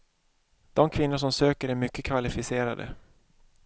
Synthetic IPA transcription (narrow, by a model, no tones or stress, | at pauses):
d̪̥ɔmkʰvɪnːaʂ̬ɔmsøːkəɾæɾmʏkːəkʰvalɪfɪseːɾa̰d̪ə̰